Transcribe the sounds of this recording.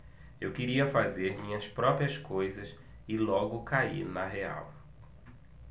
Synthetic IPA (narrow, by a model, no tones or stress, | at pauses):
ewkeɾiɐfazeɾmĩɲɐspɾɔpɾiɐskojzɐs | ɪlɔɡʊkaḭɾnɐɦea̰w